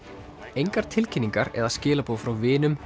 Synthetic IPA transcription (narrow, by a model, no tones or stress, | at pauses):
ejŋkaɾ̥t̪ʰɪlcʰɪnːiŋkaɾɛ̰ɾðascɪːlapuːafɾawvɪːnʏm